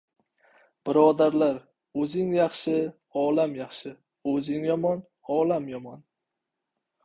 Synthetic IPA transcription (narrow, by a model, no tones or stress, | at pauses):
b̥ɪɾɒd̪aɾlaɾ | ɵzɪŋjɑχʃɪ | ɒlamjɑχʃɪ | ɵzɪŋjɒmɒn | ɒːlamjɒmɒn